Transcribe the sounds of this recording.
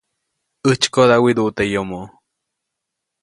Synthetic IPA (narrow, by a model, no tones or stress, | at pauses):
ɨt͡ʃkod̪awid̪uʔt̪eʔjomoʔ